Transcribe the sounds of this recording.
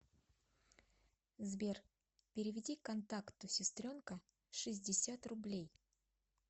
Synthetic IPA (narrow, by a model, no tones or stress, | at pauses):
zbʲer | pʲɪɾʲɪvʲɪdʲikɐnt̪akt̪ʊsʲɪst̪ɾʲo̞nkə | ʂɨzʲdʲɪsʲat̪rʊblʲej